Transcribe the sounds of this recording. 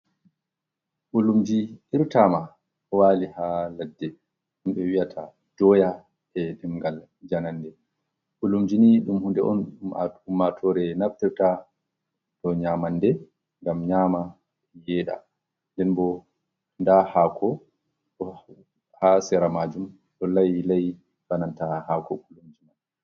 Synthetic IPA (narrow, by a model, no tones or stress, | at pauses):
ʔulumd͡ʒiiɾtama | waːlihaladːɛ | ɗumɓɛwijatʰa | d̥ɔːja | ɛɗimɡal | d͡ʒanandɛ | ɓulumd͡ʒiniɗumhundɛʔɔnuma̰umatʰɔɾɛnaftiɾta | ɗɔɲamandɛ | ŋɡamɲaːma | jɛːɗa̰ | ndɛnbɔ | ndahaːkʰɔ | ɗɔ | hasɛɾamad͡ʒum | ɗɔlajlaj | banantahakɔkulumd͡ʒina